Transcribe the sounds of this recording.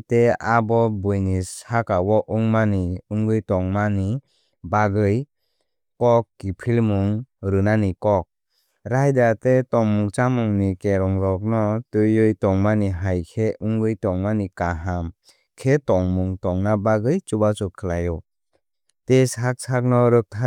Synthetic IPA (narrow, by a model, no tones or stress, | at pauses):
teabɔbɯjnishakawɔʔuŋmaniuŋɡɯjtɔŋmani | baɡɯj | kɔkːipʰilmuŋɾɯnanikɔk̚ | ɾajdatetɔŋmuŋt͡ʃamuŋnikeɾɔŋɾɔk̚nɔtɯjɯjtɔŋmaniɦajkʰeuŋɡɯjtɔŋmanikaɦam | kʰetɔŋmuŋtɔŋnabaɡɯjt͡ʃubat͡ʃɔkʰːɯlajɔ | teshak̚sʰak̚nɔɾɯk̚tʰa